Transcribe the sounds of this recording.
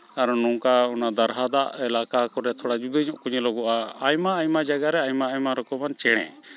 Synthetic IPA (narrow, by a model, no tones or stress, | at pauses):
aɾnuŋkaɔnad̪aɾɦad̪aʔɛlakakɔɾɛt̪ʰɔɽad͡ʒud̪əɲɔ̃ʔkuɲlɔɡɔʔaajmaajmad͡ʒaɡaɾɛajmaːjmaɾɔkɔmant͡ʃɛɽ̃ɛ̰̃